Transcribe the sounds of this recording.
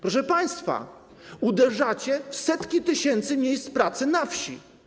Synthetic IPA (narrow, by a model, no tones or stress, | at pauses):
pɾɔʂɛpaj̃st̪fa̰ | ud̪ɛʐat͡ɕɛfsɛt̪kʲit̪ɘɕɛnt̪sɘmʲjejst̪pɾat̪sɘnafɕi